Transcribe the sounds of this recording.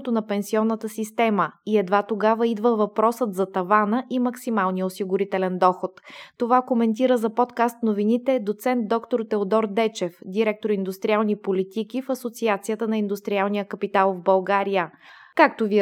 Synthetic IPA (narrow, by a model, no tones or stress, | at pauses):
t̪onɐpɛnsiɔnːət̪əsist̪ɛməiɛd̪vat̪oɡavəid̪vəvɐpɾɔsət̪zɐt̪ɐvanəʔimɐksimalˠnijəosiɡʊɾit̪ɛlɛnd̪ɔxot̪ːovakomɛnt̪̬iɾəzɐpɔt̪kast̪novinit̪ɛd̪ot̪sɛnt̪̚d̪ɔkt̪oɾt̪ɛod̪ɔɾd̪ɛt͡ʃɛfd̪iɾɛk̚t̪oɾind̪ʊst̪ɾialˠnipolit̪ikifɐsot̪siat̪sijət̪ənɐind̪ust̪ɾialˠnijəkɐpit̪alˠvbɐlˠɡaɾijə | kak̚t̪ovi